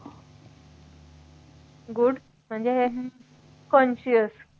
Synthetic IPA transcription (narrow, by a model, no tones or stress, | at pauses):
ɡuɖ | m̤əɳd͡zeɦeɦ | kɔ̃nɕiəs